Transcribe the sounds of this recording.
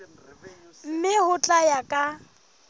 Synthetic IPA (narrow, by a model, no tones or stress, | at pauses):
m̩mɪhʊt͡ɬʼajakʼa